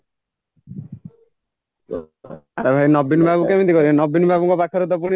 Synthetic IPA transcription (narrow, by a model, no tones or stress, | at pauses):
aɾebʱajnɔbːinbʱabukɛmit̪ikɔɾinɔbːinbʱabɔŋkɔpakʰːaɾot̪̬ɔpuñi